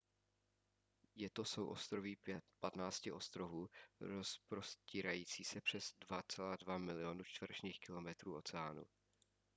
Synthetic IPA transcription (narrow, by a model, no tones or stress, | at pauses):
jɛt̪o̞so̞wʔo̞st̪ɾo̞vipat̪naːt͡scɪʔo̞st̪ɾo̞vuːɾospɾo̞sciːɾajiːt͡siːsɛpr̝̥ɛzdvat͡sɛlaːdvamɪlɪonut͡ʃt̪vr̩ʃniːxkɪlo̞mɛt̪ɾuːʔo̞t͡sɛaːnṵ